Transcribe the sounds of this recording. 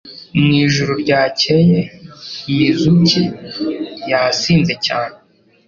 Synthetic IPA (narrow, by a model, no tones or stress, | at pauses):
mŋiːʒuɾoɾɟaːcejejizuci | jasiːnze̞caːne